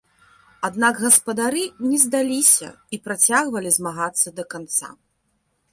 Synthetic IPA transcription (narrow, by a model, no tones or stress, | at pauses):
ad̪naɡɣɐspɐd̪aɾɨnʲɛzd̪alʲisʲɐ̰ipɾat͡sʲaɣvɐlʲizmaɣat̪sːɐd̪ɐkant̪sa̰